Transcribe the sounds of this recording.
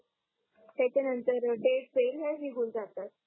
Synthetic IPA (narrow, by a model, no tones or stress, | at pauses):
t̪jat͡ɕanənt̪əɾʈeɖfelɦaɦiɦuːld͡zat̪at̪̚